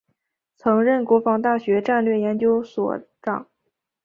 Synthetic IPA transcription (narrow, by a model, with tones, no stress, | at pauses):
t͡sʰɤ˧˥ŋɻə˥˩nkwɔ˧˥fɑ˧˥ŋt̪a˥˩ɕɥɛ˧˥ʈ͡ʂa˥˧nlɥɛ˥˩jɛ˧˥nt͡ɕjo˥ʊswɔ̰˨˩ʈ͡ʂɑ̰˨˩˦ŋ